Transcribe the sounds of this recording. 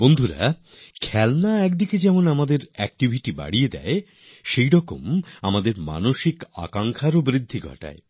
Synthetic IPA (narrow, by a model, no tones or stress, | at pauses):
bond̪ʱuɾa̰ | kʰɛlnaɛkd̪iked͡ʑɛmonamad̪eɾɛk̚ʈibʱiʈiba̰ɽijed̪ɛ̰e | ʃejɾɔko̰mamad̪eɾma̰noʃika̰kaŋkʰaɾobɾid̪ʱːiɡʱɔ̰ʈa̰e